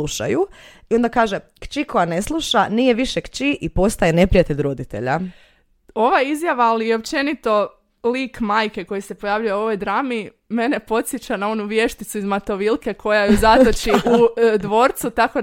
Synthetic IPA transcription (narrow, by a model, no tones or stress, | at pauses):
uʃa̰ju | io̞nd̪akaːʒe | kt͡ʃiko̞jane̞slˠuʃanije̞ʋiʃekt͡ʃiʔipo̞st̪aje̞ne̞pɾijat̪eʎɾo̞d̪it̪e̞̰ʎa | o̞ʋaizjaʋaːlijeo̞p̚t͡ʃe̞nit̪o̞ | liːkmaːjke̞ko̞jise̞po̞jaːʋʎujao̞ʋo̞jd̪ɾaːmi | me̞ne̞po̞t̪sjet͡ɕanao̞nuʋje̞ʃt̪it̪suizmat̪o̞ʋilˠke̞kʰo̞jajuzat̪ot͡ʃiʔud̪ʋo̞ːɾt̪sut̪ako̞